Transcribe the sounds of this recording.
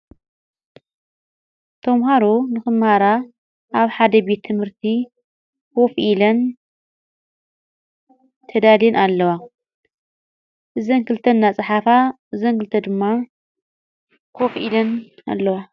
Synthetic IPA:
t̪ʰɐmɦaɾonɨxɨmhaɾa | ʔaβħad̪ɐbe̞t̪ʰːɨmhɨɾt̪ʰi | kʰo̞fʔilɐn | t̪ʰɐd̪alinʔalːɐwa | ʔɨzɐnkɨlt̪ʰɐnːat͡sʼɨħafaʔɨzɐŋkɨlt̪ʰɐd̪ɨmːa | kʰofʔilɐna̰lːɐwa

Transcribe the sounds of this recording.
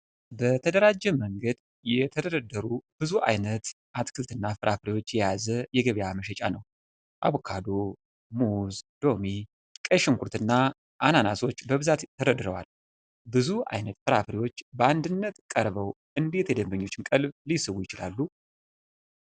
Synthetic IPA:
bət̪ʰəd̪əɾad͡ʒːɛməŋɡəd̪ | jɛt̪ʰəd̪əɾəd̪əɾub̥ɨzuʔa̰jnət̪ | ʔat̪kʰɨlt̪ɨnːafɨɾʔafɾiwo̞t͡ʃːjɛjazəjɛɡəβjaməʃ̬ɛt͡ʃʼa̰nə̰w | ʔa̰βkʰad̪o | muzd̪̥o̞mi | kʼəʃɪŋkuɾt̪ɨnːa | ʔananaso̞t͡ʃːbəβɨzat̪ʰːəɾəd̪ɨɾəwa̰l | bɨzua̰jnət̪fɨɾafɾiwo̞t͡ʃːbəand̪ɨnːət̪kʼəɾβəw | ʔɨnd̪e̞t̪jɛd̪əmbəɲːo̞t͡ʃːɪnkʼəlblisɨβujɪt͡ʃɪlalːu

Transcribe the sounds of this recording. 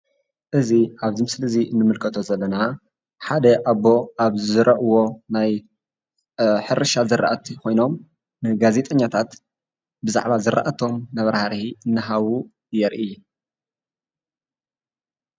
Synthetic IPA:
ʔɨziaβzimɨslɨziɨnːɨmɨlkʰɐt̪ʰo̞zɐlːɐna | ħad̪ɐʔaβo̞ʔaβzɨɾʔɐʔwo̞naj | ħɨɾɨʃazɨɾa̰ʔɐt̪ʰikʰo̞jno̞m | nɨɡaze̞t̪ʼɐɲːat̪ʰat̪ | bɨza̰ʕβazɨɾa̰ʔɐt̪ʰo̞mnɐβɐɾhaɾhiɨnːɨɦawu | jɛɾʔi

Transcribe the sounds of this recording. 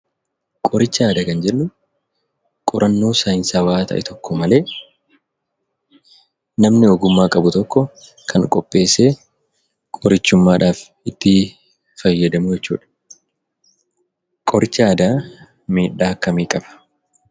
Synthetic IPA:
kʼɔɾɪt͡ʃːaːd̪ɐkɐnd͡ʒɛnːʊ | kʼɔɾʔɐnːoːsɐjɪnsaːwaːt̪ɐ̰ʔɛ̰t̪ʰɔkːɔmɐle̞ː | nɐmnɪɔɡʊmːaːkʼɐbʊt̪ɔkːɔ | kʰɐŋkʼɔpʼːe̞ːseː | kʼɔɾɪt͡ʃːʊmːaːᶑaːf | ɪt̪ːɪ | fɐjːɐd̪ɐmʊd͡ʒɛt͡ʃːṵːᶑɐ̥ | kʼɔɾɪt͡ʃːɪaːd̪aː | meːᶑːaːkːɐmiːkʼɐb̥ɐ̥

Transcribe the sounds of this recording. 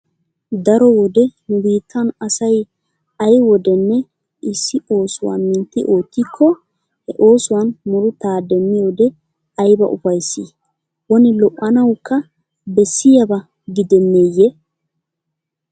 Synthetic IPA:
d̪ɐɾɔwɔd̪ɛnʊbiːt̪ʰːɐnɐsɐj | ɐjwɔd̪ɛnːɛ | ɪsːɪʔo̞ːsʊwa̰nmɪnt̪ːɪʔo̞ːt̪ːɪkʰːɔ | hɛʔo̞ːsʊwɐnmʊɾʊt̪aːd̪ɛmːɪjo̞ːd̪ɛ | ɐjbɐ̰ʔʊfɐjsːi | wɔnɪlɔʔːɐnɐwkːɐ | bɛsːɪjɐbɐ | ɡɪd̪ɛnːeːjːɛ

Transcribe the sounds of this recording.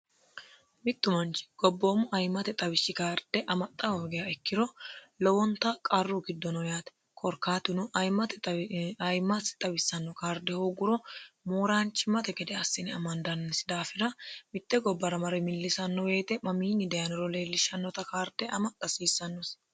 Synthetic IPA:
mɪt̪ːʊmɐnt͡ʃɪ̥ɡ̥ɔbːo̞ːmʊʔɐjmːɐt̪ɛt̪ʼɐbɪsːɪkaːɾd̪̥ɛʔɐmɐt̪ʼːɐhoːɡɛjɐɛkːɪɾɔlɔwɔnt̪ɐkʼɐrːuɡɪd̪ːɔnɔjaːt̪ɛ̥ | kʰʼɔɾkaːt̪ɪnʊʔɐjmɐt̪ɛɐjmːɐsɪ̥t̪ʼɐbɪsːɐnːɔkaːɾd̪ɛhoːɡʊɾɔmoːɾaːnt͡ʃːɪmɐt̪ɛɡɛd̪ɛɐsːɪnɪɐmɐnd̪ɐnːɪsd̪aːfɪɾɐmɪt̪ːɛɡɔbːɐɾɐmɐɾɛmɪlːɪsɐnːɔweːt̪ɛmɐmiːnːɪd̪ɛjɐnɪɾɔle̞ːlːɪʃɐnːɔt̪ɐkaːɾd̪̥ɛʔɐmɐt̪ʼːɐsiːsːɐnːɔs

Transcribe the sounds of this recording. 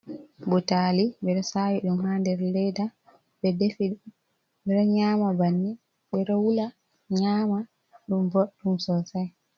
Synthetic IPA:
bɔtaliɓɛɗɔsaːwiɗumhandɛɾlɛda | ɓɛdefiɗ | ɓɛɾɔɲaːmabanːi | ɓɛɾɔwula | ɲaːma | ɗumbɔɗumsɔsaj

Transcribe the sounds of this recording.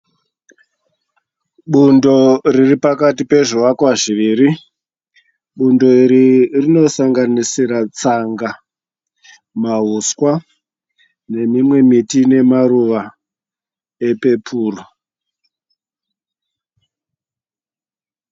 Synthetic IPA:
ɓundo̞riripakatipe̞ʐuʋakwaʐiʋiːɾi | ɓundo̞iɾirino̞saŋɡanisiɾat͡saŋɡa | maɦuskwa | ne̞mimwe̞mitine̞maruʋa | e̞pe̞pʰuːro

